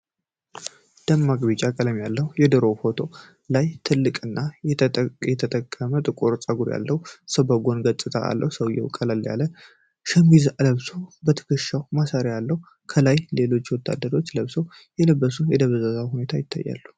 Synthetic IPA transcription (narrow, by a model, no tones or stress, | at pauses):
d̪̥əmːaɡbit͡ʃʼakʼələmjalːəhujɛd̪ɨɾo̞fo̞t̪ʰo̞ | lajt̪ʰɨlːɨkʼɨnːajjɛt̪ʰət̪ʰʼəkʰʼːəmət̪ʼɨkʼuɾt͡sʼəɡuɾja̰lːəhusəbəɡo̞nɡət̪ʼːɨt̪ʰa̰ʔa̰lːə̰hwusəwjɛ̰wkʼələlja̰lːən | ʃəmizləβsobət̪ʰə̥kʰɨʃːawmasaɾjalːəhu | kʰəlajle̞lo̞t͡ʃːwɔt̪ʰːa̰d̪ːəɾo̞t͡ʃːləβsow | jɛləbːəsujɛd̪əβəzazawhune̞t̪ʰajɪt̪ʰːa̰jːa̰lːu